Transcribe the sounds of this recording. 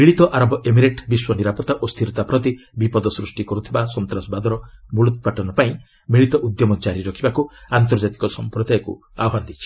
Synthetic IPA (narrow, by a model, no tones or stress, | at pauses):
biɭit̪ɔʔaɾɔbɔʔemiɾeʈbiswɔniɾapɔt̪ːaʔɔst̪ʰiɾɔt̪apɾɔt̪ibipɔd̪ɔsɾusʈikɔɾut̪ʰibasɔnt̪ɾɔsbad̪ɔɾɔmulut̪̚paʈɔnɔpaĩ | biɭit̪ɔʔud̪jɔmɔt͡ʃaɾiɾɔkʰibakuant̪ɔɾd͡ʒat̪i̥kɔsɔmpɾɔd̪ajɔkṵ | a̰ɔɦand̪it͡ʃʰi̥